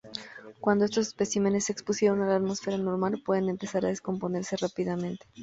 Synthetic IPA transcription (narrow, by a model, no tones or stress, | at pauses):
kwand̪oe̞st̪o̞spe̞sime̞ne̞sːekspusje̞ɾo̞nalat̪mosfe̞ɾano̞ɾmalpwe̞ðe̞ne̞mpe̞saɾaðesko̞mpo̞ne̞ɾse̞rapiðamẽ̞nt̪e